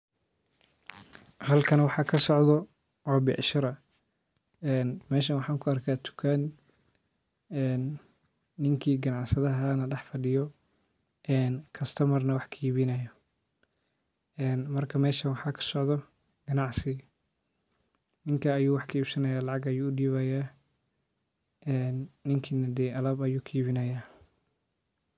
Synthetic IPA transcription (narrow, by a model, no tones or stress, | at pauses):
hɐlkʰɐnwɑħɑːkʰɐsɔʕd̪ɔ | wɔːbɪʔʃɪɾɐ | ɛːnmɛːʃɐnwɑħɑːŋkʰʊɐrkʰaːt̪ʰʊ̥kʰan | ɛːnː | ɪŋkʰiːɡɐnɑʕsɐðɐɦɐnɐɖɛħfɐɖɪjɔ | ʔɛːnkʰɐst̪ʰɐmɐrnɐwɑħkʰɐiːβɪnɐjɔ | ɛːnmɐrkʰɐmɛːʃɐnwɑħɑːkʰɐ̥sɔʕd̪ɔ | ɡ̥ɐnɑʕsɪ | nɪŋkʰɐːjuːwɑħkʰɐiːbsɐnɐjaːlɑʕɑɡɐjuːʊɖiːβɐjaː | ʔɛːnːɪŋkʰiːnɐd̪ɛjʔɐlɐbɐjuːkʰiiβɪnɐjaː